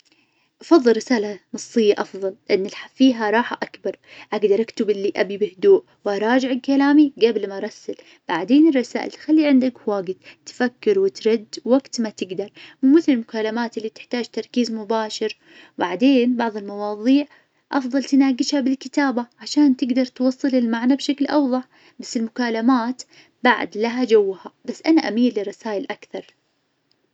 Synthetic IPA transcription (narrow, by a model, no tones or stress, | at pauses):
ʔɑfɑðˤːɨlːɪsaːlanɑsˤːɨjːaʔɑfðˤɑlʔanːɪlħafiːɦaɾˤɑːħaʔakbɑɾˤʔaɡd̪ɑɾˤʔakt̪ɪbɪlːiʔabibɪhd̪uːʔ | wʔɑɾˤɑːd͡ʒɪʕɪlkalaːmiɡablmaɾˤɑsːal | b̥aʕd̪eːnɪrˤːɑsa̰ːʔɪ̰lt̪xalːiʕɪnd̪akwaːɡɪd̪̥t̪fakːɪɾwɪt̪ɾˤɪd̪ːwaɡt̪mat̪ɪɡd̪ɑɾˤmmɪθlɪlmʊkaːlamaːt̪ʔɪlːit̪ɪ̥ħt̪aːd͡ʒt̪ɑɾˤkiːzmʊbaːʃɪɾ | baʕd̪eːnbɑʕðˤɪlmɑwɑːðˤiːʕ | ʔɑfðˤɑlt̪ɪnaːɡɪʃhabɪlkɪt̪aːbaʕaʃaːnt̪ɪɡd̪ɑɾˤt̪wɑsˤːɨlɪlmaʕnabʃaklʔɑwðˤɑħ | basːɪlmʊkaːlamaːt̪ | baʕ̰d̪laɦad͡ʒawːhabasːʔanaʔamiːlːɪrˤːɑsaːjɪlʔakθɑɾˤ